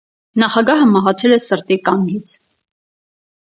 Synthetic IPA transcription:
nɑχɑɡɑɦəmɑɦɑt͡sʰɛlɛsəɾt̪ikɑŋɡit͡sʰ

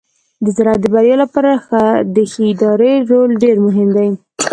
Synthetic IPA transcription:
d̪əzaɾat̪̚d̪əbaɾjɑlapaɾaxad̪əxiɪd̪ɑɾeɾolɖeɾmʊɦɪmd̪aj

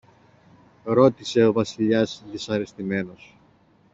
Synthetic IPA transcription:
ɾo̞t̪ise̞o̞vɐsiʎɐzðisɐɾe̞st̪ime̞no̞s

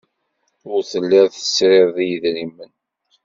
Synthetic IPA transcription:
ʊɾθəlːɪɾθə̥sɾɪððijəðɾimːən

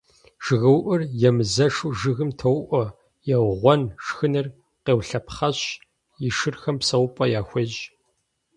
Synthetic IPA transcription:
ʒ̥ɨɣɐwʔʊrjɛmɨzɐʂuʒɨɣɨmtʰɐwʔʷɔ | jɛwʁʷɔnʂxɨnɨr | qeːwɬɐpχɐɕ | jɪʂɨrxɐmpsɐwpʼɐjaːxʷɐʒ

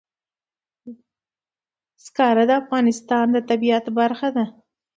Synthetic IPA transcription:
skɑɾad̪əafɣɑnɪst̪ɑnd̪ət̪abiat̪baɾxad̪a

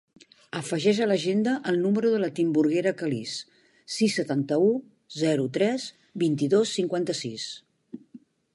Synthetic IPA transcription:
əfəʒɛʃələʒend̪əʔəlˠnuməɾuðələt̪imbuɾɣeɾəkəlis | sisːət̪ant̪əu | zɛɾut̪ɾɛz | bint̪iðosːiŋkwant̪əsis

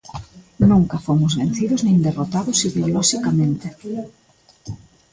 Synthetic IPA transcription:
nũŋkɐfomʊzβen̟θiðʊznẽnd̪erot̪aðʊsiðeolɔʃikamẽnt̪ɪ

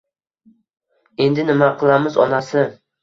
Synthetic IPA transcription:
e̞nd̪ɪnɪmaqʰɨlˠamɪzɒ̰nasɪ

